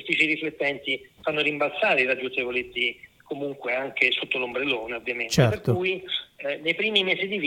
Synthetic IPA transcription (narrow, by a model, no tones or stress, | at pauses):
fit͡ʃiɾiflet̪ːɛnt̪ifanːoɾimbalsaːɾeiɾad͡ʒːunt͡ʃevolet̪sːi | komuŋkweaŋkesot̪ːolombɾeloːneovːjament͡ʃ̪ɛeɾpeɾk̪ouinejpɾiːmimɛːzid̪iv